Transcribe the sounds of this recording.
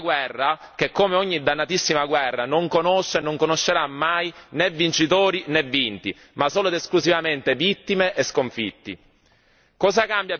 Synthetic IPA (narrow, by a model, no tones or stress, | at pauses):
ɡwɛrːa | k̟ekːomeɔɲːid̪ːanːat̪isːimaɡwɛrːanoŋkonoʃːenːoŋkonoʃːeɾamːajnɛvːint͡ʃit̪oːɾinɛvːint̪i | masoːlod̪eskluzivament̪evit̪ːimeʔeskoɱfḭt̪ːḭ | kɔːzakambja